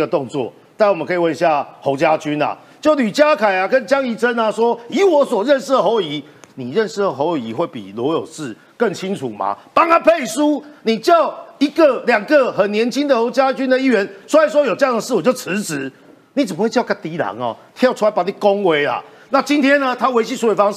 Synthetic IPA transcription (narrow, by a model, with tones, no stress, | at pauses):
ɡə˨t̪ɔ˥˧ŋt͡swɔ̰˥˨ | t̪a˥˧˨wmə˦ŋkʰə˧˥˨wə˥˧ni˧ɕja˥˩ho˧˥ʊt͡ɕja˦t͡ɕy˦na̰˨ | t͡ɕjo˥˨ʊly˨˩t͡ɕja˦kʰa˨˩ɪa˨kə˦nt͡ɕja˦˥ŋi˧˥t͡sə˦na˨swɔ˦˥i˨˥wɔ˧˦˥swɔ˨˩ɻə˥˧nʂɻ̩˥d̪ə˨ɦo˧˦ʊi˨˦ | ni˨˩ɻə˥˧nʂɻ̩˥˩d̪ə˨˩ɦo˧˦ji˧˦xwe˥˩ɪpḭ˨˩lwɔ˧˥jo˨˩ʂɹ̩˥˨ | kə˥˩ŋt͡ɕʰi˦˥ŋt͡sʰṵ˨˩ma̰˨pa˦ŋa˦pʰe˥˨˩ɪʂu˦ni˨˩t͡ɕja˥˨˩ʊi˧˦ɡə˨ljɑ˨˩ŋɡə˨xə˨˩njɛ˧˦nt͡ɕʰi˦nd̪ə˨ho˧˦ʊt͡ɕja˦t͡ɕy˦nd̪ə˨i˥ɥɛ˧˦nʂu˥a˧˩s̬wɔ˦˥jo˨˩ʈ͡ʂɤ˥˧ja˥˨ŋd̪ə˩ʂɻ̩˥˩wɔ˨˩t͡ɕjo˥˩ʊt͡s̩ʰ˧˦t͡s̩˧˦ | ni˨˥t͡sə˨˩mə˦xwe˥˧˩t͡ɕjka˥nt̪i˨˥la̰˨˦ŋɔ̰˨˩t̪ʰjɑ˥˩˧ʈ͡ʂʰu˥a˧˦ɪpa˨˩ni˨˩kɔ˦ŋwe˧˦ɪla̰˨ | na˥˨t͡ɕi˦nt̪ʰjɛ˥nːə˨t̪ʰa˦we˧˥ɪt͡ɕʰi˥˧sʰu˥we˧˥fɑ˥˦ŋ˨